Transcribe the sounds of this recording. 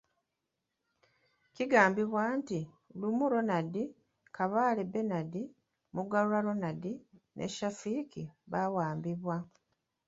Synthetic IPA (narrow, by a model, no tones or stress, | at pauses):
ciɡaːmbiβwaːnti | lumuɾo̞nadi | kaβaːlebe̞nadi | muɡalulalo̞nadinʔḛʃafikiβawaːmbiβwa